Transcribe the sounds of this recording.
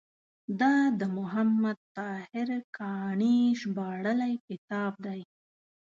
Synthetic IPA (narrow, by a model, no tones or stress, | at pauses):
d̪ɑd̪əmʊɦamːad̪̚t̪ɑhɪɾkʰɑɳiʒbɑɽəlajkɪt̪ɑb̚d̪aj